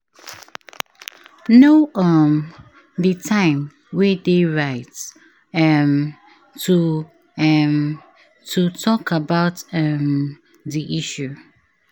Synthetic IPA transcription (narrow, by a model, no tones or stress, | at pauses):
noʔɔm | dətʰãɪ̃m | wɛdeɹaɪt | ɛm | tʰu | m | tʰutʰɔkabaʊtɛm | diʔiʃu